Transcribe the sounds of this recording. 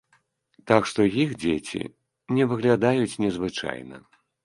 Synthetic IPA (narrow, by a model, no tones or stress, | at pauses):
t̪akʂt̪ɔjixd͡zʲet͡sʲḭ | nʲɛvɨɣlʲad̪ajut͡sʲnʲɛzvɨt͡ʂa̰jnɐ̰